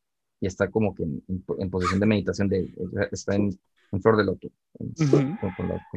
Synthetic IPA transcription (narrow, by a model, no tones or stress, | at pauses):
ie̞st̪ako̞mo̞kenenpempo̞s̬isjo̞nd̪e̞me̞ðit̪asjo̞nd̪ḛseaʔest̪aen | eɱflo̞ɾðelot̪o | ḛnokonla̰ko